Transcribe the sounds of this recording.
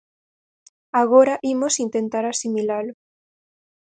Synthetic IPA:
aɣ̞oɾaʔimosint̪ẽnt̪aɾasimilalo

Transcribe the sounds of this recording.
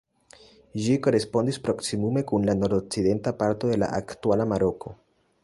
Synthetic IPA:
ʒiko̞ɾe̞spo̞ndispɾo̞ksimume̞kunlano̞ɾdok̚t͡side̞ntapaɾto̞d̪e̞la̰ʔa̰ktualamaɾo̞ko̞

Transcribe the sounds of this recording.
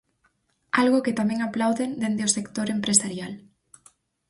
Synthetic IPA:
alɣoket̪amẽŋaplawðend̪end̪eosekt̪oɾempɾesaɾjal

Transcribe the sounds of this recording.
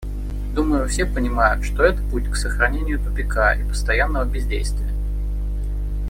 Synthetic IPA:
d̪uməjʊfsʲepənʲɪmajʊt̪ʂt̪o̞ɛt̪ə̥putʲksəxɾɐnʲenʲɪjʊt̪ʊpʲɪkaʔipə̥st̪ɐjanːəvəbʲɪzʲdʲejst̪vʲɪjə

